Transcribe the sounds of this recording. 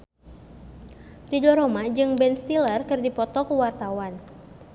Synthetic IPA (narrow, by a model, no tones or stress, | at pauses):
ridɔɾomad͡ʒɨŋbɛnst̪ilərkɨrdipɔt̪ɔkuwart̪awan